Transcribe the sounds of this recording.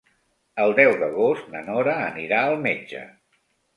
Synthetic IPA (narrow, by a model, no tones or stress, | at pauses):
əlˠd̪ɛwðəɣost̪nənɔɾəːniɾaəlˠmed͡ʒə̰